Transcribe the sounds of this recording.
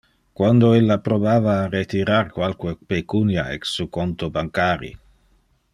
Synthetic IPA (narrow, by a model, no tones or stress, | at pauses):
kwand̪oelːapɾobaːvaːret̪iɾarkwalkuepekunjaɛksukont̪obaŋkaːɾḭ